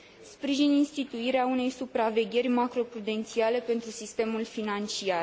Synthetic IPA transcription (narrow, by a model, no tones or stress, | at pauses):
spɾiʒininst̪it̪uiɾeaune̞jsupɾave̞ɡʲe̞rʲmakɾo̞pɾud̪e̞nt̪siale̞pe̞nt̪ɾusist̪e̞mulfinant͡ʃia